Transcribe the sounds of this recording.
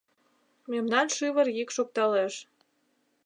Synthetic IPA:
memnɑnʃɨβərjikʃok̚t̪ɑleʃ

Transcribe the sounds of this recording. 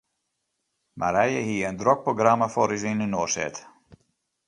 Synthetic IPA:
mʔa̰ɾɛjəɦiəəndrok̚proɡramafɔɾizinynoːsɛ̰t

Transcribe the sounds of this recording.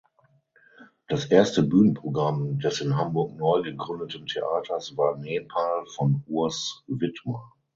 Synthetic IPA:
d̥asʔeːɐstəbyːnənpʁ̥oɡʁamdɛsɪnɦambʊɐk̚nɔʏɡəɡʁʏndətəntʰeʔaːtʰɐsv̥aːɐneːpʰaːlfɔnuːɐsvɪtmɐ

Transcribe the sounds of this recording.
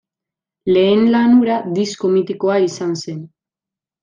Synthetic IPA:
le̞ːnlanuɾad̪isko̞mit̪iko̞aisanse̞n

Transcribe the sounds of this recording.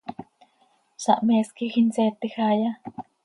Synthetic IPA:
sa̰ʔmeskixinset̪exaja

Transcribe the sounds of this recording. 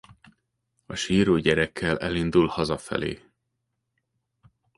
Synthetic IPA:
ɒʃiːɾoːɟɛɾɛkʰːɛlɛlind̪ulhɒzɒfɛ̰lḛː

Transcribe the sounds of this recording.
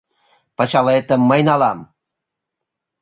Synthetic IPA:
pət͡ɕɑlet̪əmːəjnɑlɑm

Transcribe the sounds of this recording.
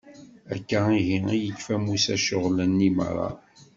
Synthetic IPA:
ækːaiɣiijəkːfæmusæʃʊʁlənːimə̰ɾˤɑ̰

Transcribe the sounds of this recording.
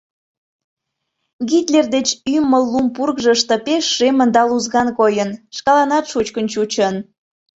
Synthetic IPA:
ɡit̪lerd̪et͡ɕymːəlːumpurkʒəʃt̪ə̆peʃːemənd̪ɑluzɣɑnkojənʃkɑlɑnɑt̪ʃut͡ɕkənt͡ɕut͡ɕən

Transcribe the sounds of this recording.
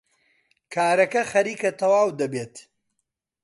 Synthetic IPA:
kʰaːɾɐkɐxɐɾiːkɐt̪ʰɐwaːwd̪ɐbeːt̪

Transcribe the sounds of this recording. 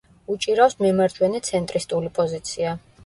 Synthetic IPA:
ut͡ʃʼiɾasmɛmaɾd͡ʒ̪ʰwɛnit̪sʰɛnt̪ʼɾist̪ʼulipʼɔzit̪sʰia

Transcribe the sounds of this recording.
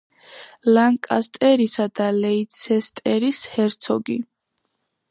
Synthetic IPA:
laŋkʼast̪ʼɛɾisad̪alɛit̪sʰɛst̪ʼɛɾishɛɾt̪sʰɔɡi

